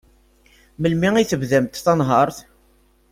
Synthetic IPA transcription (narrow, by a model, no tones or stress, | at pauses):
məlmiŋiθəvðəmt̪θɑnɦɑɾˤθ